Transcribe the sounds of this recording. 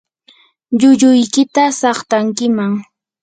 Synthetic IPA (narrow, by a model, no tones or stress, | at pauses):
ʎʊʎʊjkɪt̪asɑχt̪aŋkɪmaŋ